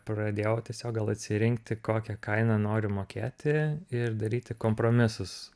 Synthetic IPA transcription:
pɾɐd̪ʲeːjɛt̪ʲiɛsʲoːk̚ɡɐlˠɐt̪ʲsʲɪɾʲɪŋkt̪ʲɪkoːkʲɛkɐɪnɐnoːɾʲʊmoːkʲeːt̪ʲɪɪrd̪ɐɾʲiːt̪ʲɪkoːmpɾoːmʲɪsʊs

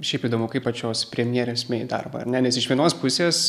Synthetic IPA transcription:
ʃʲɛɪpiːd̪oːmʊkɐɪpɐt͡ʃʲoːspʲɾʲɛmʲjɛɾʲeːsʲmʲeːd̪ɐ̰rbɐ̰ɐ̰ɾnʲɛnʲɛsɪʃʋʲiɛnoːspʊsʲeːs

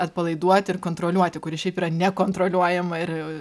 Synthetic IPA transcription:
ɐt̪̚pɐlˠɐɪd̪uɔt̪ʲɪrkoːnt̪ɾoːlʲuɔt̪ʲɪkʊɾʲɪʃʲɛɪpiːɾɐnʲɛkoːnt̪ɾoːlʲuɔjɛmɐɪr

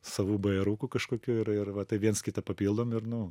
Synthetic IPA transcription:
sɐʋuːbɐɛɾuːkukɐʃkoːkʲuːɪɾɪrʋɐt̪ɐɪʋʲiɛnskʲɪt̪ɐpɐpʲiːlˠd̪oːmɪrnʊ

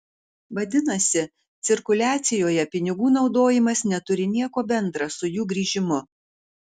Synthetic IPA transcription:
ʋɐd̪ʲɪnɐsʲɪ | t̪sʲɪɾkʊlʲæːt̪sʲɪjoːjɛpʲɪnʲɪɡuːnɒʊd̪oːjɪmɐsnʲɛt̪ʊɾʲɪnʲiɛkoːbʲɛnd̪ɾɑsʊjuːɡɾʲiːʒʲɪmʊ

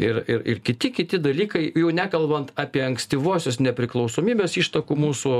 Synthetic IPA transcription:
ɪɾɪɾɪ̰rkʲɪt̪ʲɪkʲɪt̪ʲɪd̪ɐlʲiːkɐɪjɛʊnʲækɐlˠbɐnt̪ɑːpʲiɛɐŋksʲt̪ʲiʋoːsʲosnʲɛpʲɾʲɪklˠɐʊsoːmʲiːbʲeːsiːʃt̪ɐkuːmuːsʊ

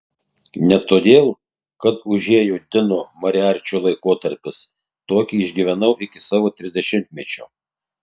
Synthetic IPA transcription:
nʲɛt̪oːd̪ʲeːlˠ | kɐt̪ʊʒʲeːjoːd̪ʲɪnoːmɐɾʲɪɑːɾʲt͡ʃʲuːlˠɐɪkoːt̪ɐɾʲpʲɪs | t̪oːkʲiːɪʒʲɡʲiʋʲɛnɐʊʔɪkʲɪsɑːʋoːt̪ʲɾʲɪzʲd̪ʲɛʃʲɪmʲt̪ʲmʲɛt͡ʃʲoː

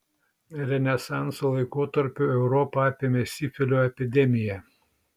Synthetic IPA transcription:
ɾʲɛnʲɛsɑˑnsoːlˠɐɪkoːt̪ɐɾʲpʲuɛʊɾɔpɐɑpʲeːmʲesʲɪfʲɪlʲoːɛpʲɪd̪ʲɛmʲɪjɛ

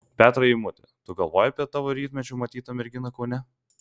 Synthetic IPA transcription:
pʲæːt̪ɾɐɪmʊt̪ʲɪt̪ʊɡɐlˠʋoːjɛɐpʲiɛt̪ɑːʋoɾʲiːt̪mʲɛt͡ʃʲʊːmɐt̪ʲiːt̪ɐmʲɛɾʲɡʲɪnɐkɐʊnʲɛ

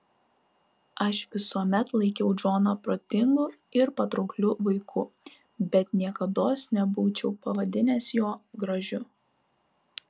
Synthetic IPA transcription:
ɐʃʋʲɪsuɔmʲɛt̪lˠɐɪkʲɛʊd͡ʒoːnɐpɾoːt̪ʲɪŋɡʊɪɾpɐt̪ɾɒʊklʲʊʋɐɪkʰʊ | bʲɛt̪nʲiɛkɐd̪oːsnʲɛbuːt͡ʃʲɛʊpɐʋɐd̪ʲɪnʲeːsjoːɡɾɐʒʲʊ

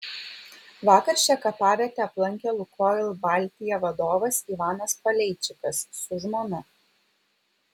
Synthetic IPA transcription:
ʋɑːkɐɾʲʃʲt͡ʃʲɛkɐpɑːʋʲɛt̪ʲɛɐplˠɐŋʲkʲɛlˠʊkʰoːɪlˠbɑˑlʲt̪ʲɪjɛʋɐd̪oːʋɐsiʋɑːnɐspɐlʲɛɪt͡ʃʲɪkɐsːʊʒmoːnʲɪ

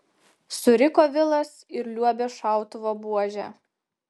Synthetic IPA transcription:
sʊɾʲɪkoːʋʲɪlˠɐsɪɾlʲuɔbʲeʃɑˑʊt̪ʊʋoːbuɔʒʲæ

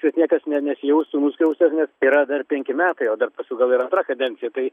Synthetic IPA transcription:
ʋʲiɛsnʲiɛkɐsnʲɛnʲɛsʲɪjɛʊst̪uːnuːsʲkʲɛʊsʲt̪ɐsnʲɛsiːɾɐd̪ɐrpʲɛŋʲkʲɪmʲæːt̪ɐɪoːd̪ɐrpɐsʲuɡɐlˠiːɾɐnt̪rɐkɐd̪ʲɛnʲt͡ssʲɪjɛt̪ɐɪ

